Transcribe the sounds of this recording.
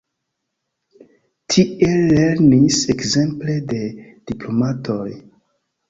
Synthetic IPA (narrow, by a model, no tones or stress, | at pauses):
tʰie̞lːe̞ɾnisekze̞mple̞de̞d̥iplo̞matʰoj